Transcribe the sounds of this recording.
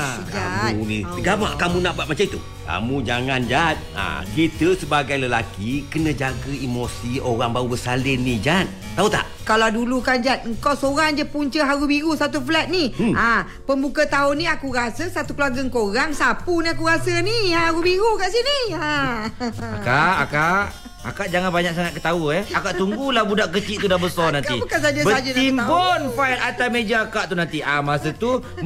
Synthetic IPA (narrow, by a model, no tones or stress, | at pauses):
aka̰muniəɡama̰ʔkamunaʔbat̪mat͡ʃait̪ṵ | ka̰mũd͡ʒaŋand͡ʒat̪̚a̰kit̪əsəbaɡajləlakikənə̃d͡ʒaɡəimosioɾaŋbaubəsalɪnːid͡ʒat̪̚ | t̪aut̪a̰ʔkalawdulukand͡ʒat̪̚ŋ̩kawsoɾaŋd͡ʒəpuɲt͡ʃəɦaɾubiɾusat̪uflɛt̪̚nia | pəmbukət̪aʊnːiakuɾasəsat̪ukəluaɡəŋkoɾaŋsapuniakuɾasəniahaɾubiɾukaʔsinia | a̰kaʔakaʔ | a̰kaʔd͡ʒaŋanbaɲaksaŋat̪̚kət̪auɛakaʔt̪uŋɡulahbudaʔkət͡ʃiʔt̪udahbəsɔnant̪ibəkansad͡ʒəbəad͡ʒəimbonfaitat̪amed͡ʒaakaʔt̪unant̪iamasət̪u